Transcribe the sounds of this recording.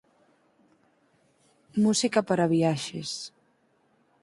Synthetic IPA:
musikapaɾaβiaʃes

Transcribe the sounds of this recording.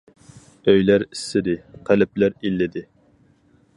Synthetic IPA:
øjlæɾɪsːɪd̪ɪqʰælɪp̚læɾilːɪd̪ɪ

